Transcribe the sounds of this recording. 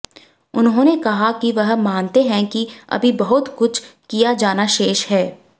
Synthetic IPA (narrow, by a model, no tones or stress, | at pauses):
ʊnɦõnekɐɦakiʋɐɦmãːnt̪eɦɛ̃kiɐ̰bʱibɐɦʊt̪kʊt͡ʃʰkijad͡ʒaːnaʃeːʃɦɛː